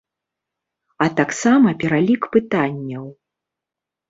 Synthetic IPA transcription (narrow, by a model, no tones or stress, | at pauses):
ɐt̪aksamɐpʲɛɾalʲikpɨt̪anʲːɐw